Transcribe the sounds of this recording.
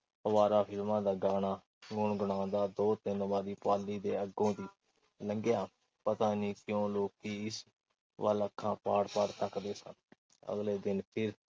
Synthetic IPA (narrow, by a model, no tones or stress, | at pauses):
əʋaːɾaːpʰɪlmãːd̪aːɡaːɽaː | ɡʊɳɡʊɳ̃ãːd̪aːd̪oːt̪ɪnbaːd̪iːpaːlːiːd̪eːəɡõːd̪iː | ləŋɡɪjaː | pət̪aːniːkjõːloːkːiːɪs | ʋə̰ːləkʰːãːpaːɽpəɽt̪əkd̪eːsə̰n | ə̰ɡleːd̪ɪnpʰɪɾ